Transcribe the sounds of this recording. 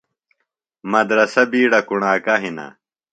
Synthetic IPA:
mɐd̪ɾɐsɐbiːɽɐkuɳaːkɐɦina̰

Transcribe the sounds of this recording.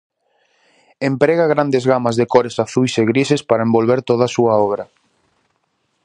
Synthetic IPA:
empɾeɣaɣɾand̪ezɣamazðekɔɾesaθujseɣɾisespaɾɐembolβeɾt̪oðasuɐɔβ̞ɾɐ

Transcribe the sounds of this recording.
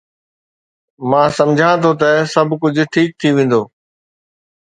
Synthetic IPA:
mãːsɐ̃md͡ʑʱãt̪ʰot̪̬ɐsɐbʱkʊd͡ʑʱʊ̆ʈʰiːk̚t̪ʰiʋẽːn̆d̪oː

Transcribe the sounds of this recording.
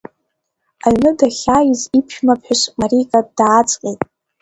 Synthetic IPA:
aɥnɨdaχʲajzipʰʃᶣmapʰħʷᶣʊʂmaɾikʼadaːt͡sʼqʲʼejtʼ

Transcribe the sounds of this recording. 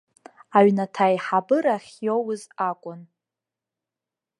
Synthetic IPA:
aɥnatʰajħabɨɾaχʲjowʊzakʷʼʊn

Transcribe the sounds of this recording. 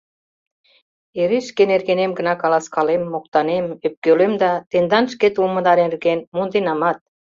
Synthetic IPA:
eɾiʃkenerɣenemɡə̆nɑkɑlɑskɑlemːok̚t̪ɑnemøp̚kølømd̪ɑt̪end̪ɑnʃket̪uməd̪ɑɾerɣenmund̪enɑmɑt̪̚

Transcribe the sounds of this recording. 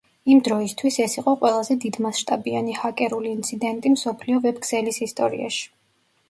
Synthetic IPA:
imd̪ɾɔist̪ʰwisɛsiqʼɔqʼwɛlˠazɛd̪id̪masʃt̪ʼabianihakʼɛɾuliːnt̪sʰid̪ɛnt̪ʼimsɔpʰliɔvɛbɡz̥ɛlisist̪ʼɔɾḭa̰ʃi̥

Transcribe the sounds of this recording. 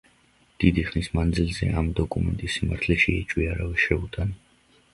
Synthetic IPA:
d̪̥id̪iχnismand̪zilzɛ̰ʔamd̪ɔkʼumɛ̰nt̪ʼisːimaɾt̪ʰlɛʃiɛt͡ʃʼwiaɾavɛʃɛut̪ʼan

